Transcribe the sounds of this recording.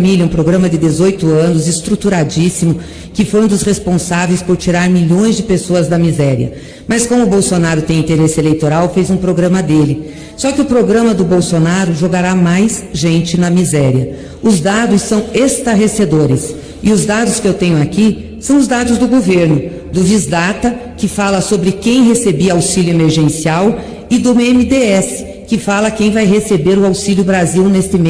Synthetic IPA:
milɐũpɾoɡɾɐ̃mɐd̪ɪd̪ezojt̪ʊɐ̃nʊzɪst̪ɾut̪uɾad͡ʒisimʊ | kɪfojũd̪ʊsʁespõsavejspoɾt͡ʃiɾaɾmiʎõj̃zd͡ʒɪpesoɐzd̪ɐmizɛɾiɐ̰ | mɐskõmʊbowsonaɾʊt̪ẽj̃ĩnt̪eɾesɪelejt̪oɾawfezũpɾoɡɾɐ̃mɐd̪elɪ | sɔkɪʊpɾoɡɾɐ̃mɐd̪ʊbowsonaɾʊʒoɡaɾamajsʒẽnt͡ʃɪnɐmizɛɾiɐ | ʊzd̪ad̪ʊsːɐ̃w̃est̪aɦesed̪oɾɪs | ɪʊzd̪ad̪ʊskɪewt̪ẽɲʊaki | sɐ̃w̃ʊzd̪ad̪ʊzd̪ʊɡoveɾnʊ | d̪ʊvizd̪at̪ɐkɪfalɐsobɾɪkẽj̃ɦesebiawsilʲjʊemeɾʒẽsiaw | ɪd̪ʊemɪd̪eɛsɪ̥ | kɪfalɐkẽj̃vajɦesebeɾʊawsilʲjʊbɾaziwnest̪ɪme

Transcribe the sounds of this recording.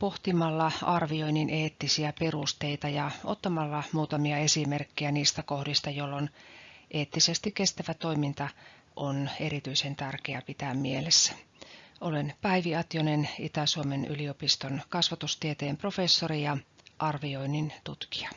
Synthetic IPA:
po̞ht̪imɑlːɑɑrʋio̞inːinʔeːt̪ːisiæpe̞rust̪eit̪ɑjɑot̪ːɑmɑlːɑmuːt̪ɑmiɑe̞sime̞rkːijæniːst̪æko̞hdist̪ɑjolːonʔeːt̪ːisest̪ike̞st̪æʋæt̪o̞imint̪ɑ | ʔone̞ɾit̪yise̞nt̪ærkeæpit̪æːmmielesːæ̥ | ʔolenpæiʋiɑt̪jonenit̪æsuomeny̰liopist̪onkɑsʋɑt̪ust̪iet̪eːmpro̞fe̞sːorijɑʔɑrʋioinːint̪ut̪ki̥ɑ

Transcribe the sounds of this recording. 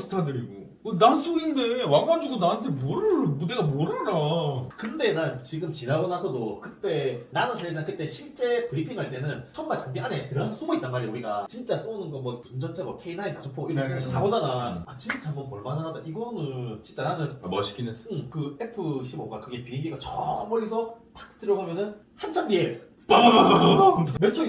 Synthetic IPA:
sʰɯ̥tʰadɯɾiɡo | kɯnans͈oɡinde̞waɡand͡ʑudonaɦɯntʰemoɾɯmudeɡamoɾaɾakɯnde̞naɭt͡ɕiɡɯmt͡ɕinaɡʌnasʰʌdokɯt͈e̞nanɯnsʰaesʰaŋk͈ʰɯt͈eɕʰiɭt͡ɕ͈e̞pɯɾipʰiŋɦaɭt͈enɯnt͡ɕʌnmaɭt͡ɕaŋbianetɯɾɦasʰʌs͈oɡoit͈̚anmaɾioiɡat͡ɕint͡ɕ͈as͈ounɯnɡʌmwapusʰɯnd͡ʑʰʌnt͡ɕʰabokʰeinaɲet͡ɕasʰopʰoɡoiɾeɯkaɡʌd͡ʑanaat͡ɕint͡ɕ͈aambʌnpʌɭmanɦaadaʔiɡʌnɯnt͡ɕint͡ɕ͈aɾanɯnʌɕi̥kineɯkɯepʰɯɕʰimboɡakɯɡe̞piniŋɡiɡat͡ɕʰʌmʌɾis̬ʰʌtḁk̚t͈ɯɾjʌɡɦamjʌnɯn | hant͡ɕʰaŋdie | p | mjʌnt͡ɕʰoɡi

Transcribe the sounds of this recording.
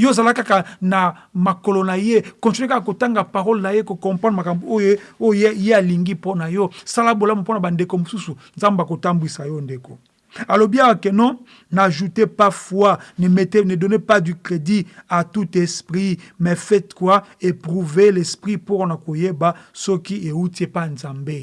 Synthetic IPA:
jozalakakana | makolonajekɔ̃stkakakotaŋɡapaʁɔlnajekokɔ̃panmakamboojojealiŋɡiponajɔsalabolamuponabandekomosusunzambakotambisajɔndeko | alobiawakenɔ̃ | naʒutepafwanemetenedɔnepadyklediatutɛspʁimɛfɛtkwaepʁuvelɛspʁipuʁnakojebasɔkieutiepanzambe

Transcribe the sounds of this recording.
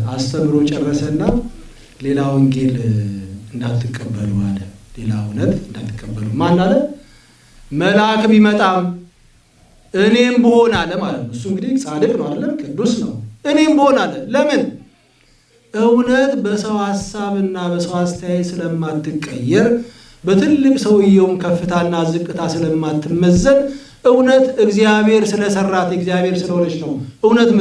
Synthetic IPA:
ast̪ʰəmɨɾot͡ʃʼɛrːəsəɨnːa | le̞lawɨŋɡe̞l | ɨnd̪at̪ʰːɨkʼːəbːəlua̰lːəle̞la̰ɨwnət̪ɨnd̪a̰t̪ʰːɨkʼːəbːəlumanːalə | əlakʰmimət̪ʼam | ʔɨne̞mbɨho̞nalːəmalət̪nəwɨs̬ːuɨŋɡɨd̪isʼad̪əkʼnəwad̪əlːəmkʼɨd̪ːusnəwʔɨne̞mbɨho̞nalːənləmɨn | ʔɨwnət̪bəsəwhasːaβɨnːabəsəwast̪ʰəjajɛsɨləmːat̪ːɨkʼːə̰jːɛɾ | bət̪ʰɨlːɨkʼsəwɨjːɛwumkʰəfːɨt̪ʰanːazɨkʼːɨt̪ʰasɨləmːat̪ʰːɨmːəzːən | ʔɨwnət̪ɨɡzjaβhe̞ɾsɨləsərːat̪ʰjɨɡzjaβhe̞ɾsɨləhonət͡ʃnəwʔɨwnət̪

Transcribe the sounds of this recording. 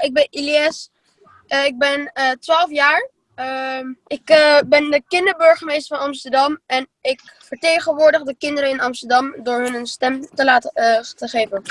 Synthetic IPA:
ɪɡ̚bɛniliɛs | ɪɡ̚bɛntʋaːlˠfjaːɹ | ʔɪkbɛndəkɪndəɹbɵɹχəmejstəɹfɑnɑmstəɹdɑmɛnɪkfəɹtejχənʋʊːɹdəχdəkɪndəɾəɪnɑmstəɹdɑmdʊːɹɦɵnənstɛmtəlaːtətəχejvən

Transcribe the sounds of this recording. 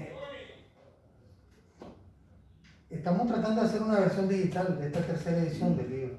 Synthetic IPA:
est̪amot̪ɾat̪and̪oaseɾunaβeɾsjo̞nd̪ixit̪ald̪est̪at̪eɾseɾaeðisjond̪elːiβɾo

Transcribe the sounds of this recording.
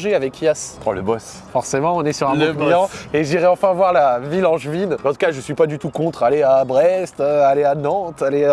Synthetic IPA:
ʒeavɛkjaspχɔ̰̃lə̰bɔs | fɔʁsemɑ̃ɔ̃nɛsyʁɛ̃bojɑ̃eʒiʁɛɑ̃fɛ̃vwaʁlavilɑ̃ʒvinɑ̃t̪u̥kaʒəsɥipad̪yt̪ukɔ̃t̪χaleabʁɛst̪øaleanɑ̃t̪ale

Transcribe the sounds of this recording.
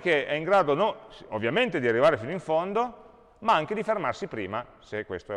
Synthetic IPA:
k̟eɛiŋɡɾaːd̪onoo̰vːjament̪ed̪iarːivaːɾefinoiɱfond̪o | maaŋk̟ed̪ifermarsipɾḭːma | sekːwḛst̪oɛ

